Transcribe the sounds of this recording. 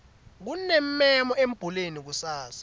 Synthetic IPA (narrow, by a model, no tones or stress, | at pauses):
k̬unɛmɛmɔem̩b̥ʱulenik̬usaːsḁ